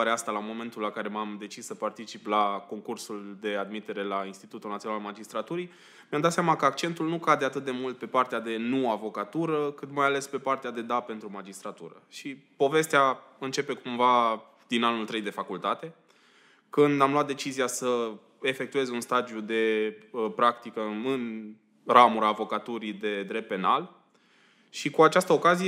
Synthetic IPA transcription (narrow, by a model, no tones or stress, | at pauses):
aɾeast̪alamo̞me̞nt̪ulːakaɾe̞mamd̪e̞t͡ʃisːəpart̪it͡ʃiplako̞ŋkursuld̪e̞ad̪mit̪e̞ɾe̞lainst̪it̪ut̪ulnat̪sionalmad͡ʒist̪ɾat̪uɾi | mjamd̪at̪sʲijamakəak̚t͡ʃe̞nt̪ulnukad̪e̞at̪ɨt̪̚d̪e̞mult̪̚pe̞part̪ead̪e̞nuavo̞kat̪uɾəkɨt̪majale̞spe̞part̪ead̪e̞d̪ape̞nt̪ɾumad͡ʒist̪ɾat̪ṵɾə̰ʃipo̞ve̞st̪ea | ɨnt͡ʃe̞pe̞kumva | d̪̥inanult̪ɾe̞jd̪e̞fakult̪at̪e̞ | kɨnd̪amluat̪d̪e̞t͡ʃizijasə | e̞fe̞k̚t̪ue̞zunst̪ad̪jud̪e̞pɾakt̪ikəɨn | ɾamuɾaːvo̞kat̪uɾid̪e̞d̪ɾe̞p̚t̪̚pe̞nal | ʃikuat͡ʃast̪əo̞kazije